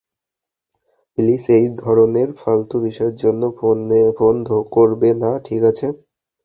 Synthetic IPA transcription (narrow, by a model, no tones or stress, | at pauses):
plisejd̪ʱɔɾoneɾfalt̪obiʃɔeɾd͡ʑonːoonbond̪ʱokoɾbenaʈʰikat͡ɕʰe